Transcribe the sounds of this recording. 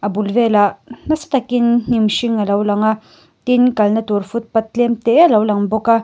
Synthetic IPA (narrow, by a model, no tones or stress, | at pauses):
abulvelanasḁt̪akinnimʃiŋalawlaŋa | t̪inkalnat̪uɾfut̪̚pat̪̚lɛmt̪ealawlaŋbɔka